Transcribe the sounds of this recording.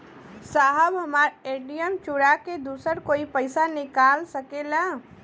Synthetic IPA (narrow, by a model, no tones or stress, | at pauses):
saɦəbɦəmaːɾeɖijəmt͡ʃuɾaked̪uːsəɾkoːipəɪsanɪkaːlsəkela